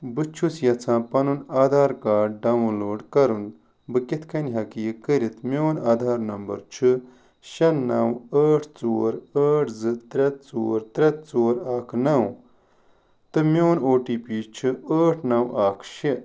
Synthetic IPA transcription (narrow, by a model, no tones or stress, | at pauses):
bɨt͡ʃʰusjɐt͡sʰãːpɐnunaːd̪ʱaːɾkaːɖ̚ɖɐwunloːɖkɐɾun | bɨket̪ʰkʰɐniɦɐkiːkəɾit̪mʲoːnaːd̪ʱaːɾnɐmbɐ̰ɾt͡ʃʰɨ | ʃɐnːɐwəːʈʰt͡soːɾəːʈʰzɨt̪ɾɐt̪̚t͡soːɾt̪ɾɐt̪̚t͡soːɾaːkʰnɐw | t̪ɨmʲjoːnoːʈiːpiːt͡ʃʰɨəːʈʰnɐwʔaːkʰʃi